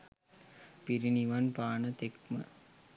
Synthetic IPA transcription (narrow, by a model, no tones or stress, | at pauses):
piɾiniʋanpaːnət̪ek̚mə̰